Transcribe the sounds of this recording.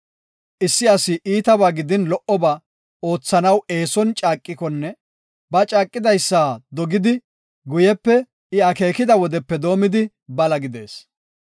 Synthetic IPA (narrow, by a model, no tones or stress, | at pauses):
ʔɪsːɪɐsɪʔiːt̪ɐbaːɡɪd̪ɪnlɔʔɔba | o̞ːt͡sːɐnɐwe̞ːsɔnt͡ʃʼaːkʼːɪkɔnːɛ | bɐt͡ʃʼaːkʼːɪd̪ɐjsːaːd̪ɔɡɪd̪ɪ | ɡʊjɛpːɛ | ɪɐke̞ːkɪd̪ɐwɔd̪ɛpːɛd̪o̞ːmɪd̪ɪ | bɐlɐɡɪd̪e̞̰ːs